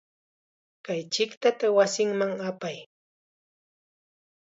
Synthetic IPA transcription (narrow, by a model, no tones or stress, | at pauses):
kajt͡ʃɪkt̪at̪awasɪŋmaŋapaj